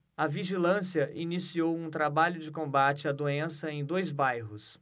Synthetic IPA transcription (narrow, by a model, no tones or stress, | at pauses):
ɐviʒilɐ̃siɐʔinisiowũt̪ɾabaʎʊd͡ʒɪkõbat͡ʃɪɐd̪oẽsɐẽj̃d̪ojzbajɦʊs